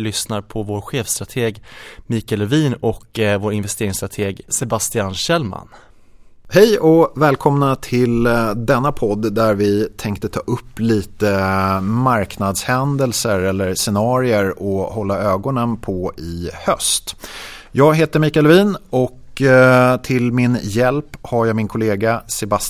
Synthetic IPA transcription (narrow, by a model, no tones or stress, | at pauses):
lʏsnaɾpʰɔvoːɾɧeːfst̪ɾat̪ʰeːɡmiːkalɛviːnɔkvoːɾɪnvɛst̪eːɾɪŋst̪ɾat̪ʰeːɡsɛbast̪ɪanɕɛlma̰n | hɛjɔvɛːlkʰɔmnat̪ʰɪld̪ɛnːapʰɔd̪ːd̪æɾvɪt̪ʰɛŋkt̪ət̪ʰɑ̰ːʔɵpːliːt̪əmaɾknad̪shɛnd̪əlsəɾɛlːəɾsɛnɑːɾɪəɾɔhɔlːaøːɡɔnənpʰɔɪhœ̰st̪ | jɑːɡɦeːt̪əmiːkalviːnɔk | t̪ʰɪlmɪnjɛlphaɾjaɡmɪnkʰʊleːɡasɛba